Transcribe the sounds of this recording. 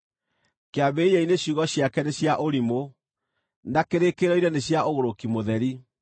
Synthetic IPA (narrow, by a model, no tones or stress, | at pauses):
keaβeijɛineɕuɣɔɕjakɛneɕjaʔoɾimo | nakeɾekeɾɔiɾɛneɕjaoɣoɾokimoðɛɾi